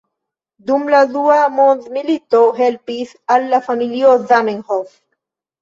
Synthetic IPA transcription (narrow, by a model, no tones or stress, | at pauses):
d̪umladuamond̪milit̪oɦelpis | alːafamiliozameŋhof